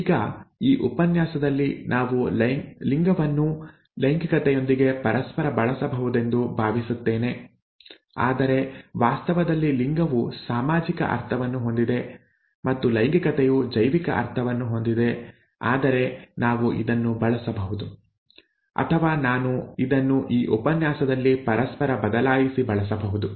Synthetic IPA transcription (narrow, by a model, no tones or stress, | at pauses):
iːɡɐiːʔupɐnjaːsɐd̪ɐlːinʔaːʋuliŋɡɐʋɐnːu | lɐjŋɡɐkɐt̪ɛjo̞nd̪iɡe̞pɐɾɐspɐɾɐbɐɭɐsɐbɐɦud̪e̞nd̪ubʱaːʋisut̪ːe̞ːne̞ | a̰ːd̪ɐɾe̞ʋaːst̪ɐʋɐd̪ɐlːiliŋɡɐʋusaːmaːd͡ʒikɐ̰ʔɐ̰ɾt̪ʰɐʋɐnːuɦo̞nd̪id̪e̞ | mɐt̪ːulɐjŋɡikɐt̪ejud͡ʒɐjʋikɐ̰ʔɐ̰ɾt̪ʰɐʋɐnːuɦo̞nd̪id̪e̞ | a̰ːd̪ɐɾe̞naːʋuʔḭd̪ɐnːubɐɭɐsɐbɐɦud̪u | ɐ̰t̪ʰɐʋaːnaːnuid̪ɐnːuʔiːʔupɐnjaːsɐd̪ɐlːipɐɾɐspɐɾɐbɐd̪ɐlaːjisibɐɭɐs̬ɐbɐɦud̪u